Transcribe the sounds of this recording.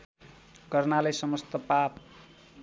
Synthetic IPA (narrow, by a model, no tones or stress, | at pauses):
ɡʌrnalajsʌmʌst̪ʌpap̚